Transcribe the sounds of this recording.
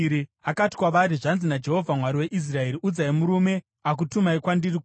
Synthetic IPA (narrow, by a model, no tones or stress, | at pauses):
ɾiakati̥kwaʋaɾiʐanzinad͡ʒe̞ɦo̞vʱamwaɾiwe̞ʔis̬rae̞ɾiʔud͡zaimuɾume̞ | ak̬utumaikwandirik